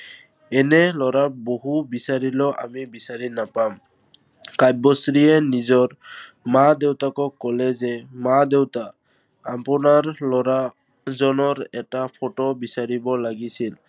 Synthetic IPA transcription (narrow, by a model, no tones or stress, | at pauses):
ɛnɛlɔɹaboɦubisaɹilɔʔa̰mibisaɹinapam | kajbɔsɹiɛnizɔɹ | madewtakɔkːɔlɛzɛmadewtaː | mpʊnaɹlɔɹa | zɔnɔɹɛtapʰotobisaɹibɔlaɡisil